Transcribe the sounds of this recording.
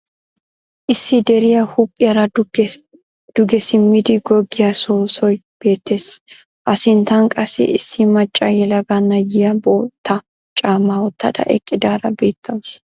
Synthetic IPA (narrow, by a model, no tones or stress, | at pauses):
ʔɪsːɪd̪ɛɾɪjɐhʊpʼːɪjɐɾɐ | d̪̥ʊɡɛsɪmːɪd̪ɪɡɔɡːɪjɐsoːsɔj | b̥e̞ːt̪ːes | ʔɐsɪnt̪ɐnkʼɐsɪ̰ʔɪsːɪmɐt͡ʃʼːɐjɛlɐɡɐnɐjɪjɐboːt̪ʰːɐ | t͡ʃʼaːmawɔt̪ːɐ̰d̪ɐ̰ʔɛ̰kʼːɪd̪aːɾɐbe̞ːt̪ʰːɐws